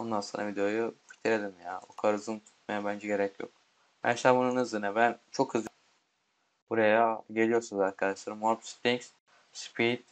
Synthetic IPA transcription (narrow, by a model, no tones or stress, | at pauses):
ond̪anso̰ːnavid̪ejojufi̥t̪ʰiɾed̪imjabukʰaɾɯzɯnt̪ʰu̥t̪̚majabænd͡ʒɛɟe̞ɾɛcʰjo̰k̚ | mɛ̰ʃabununɯzɯnabænt͡ʃʰo̞khɯzˠ | b̥uɾajaɟe̞lʲijo̞ɾsunuzaɾkʰad̪aʃlˠaɾɯmaɾt̪st̪iŋks | spʰit̪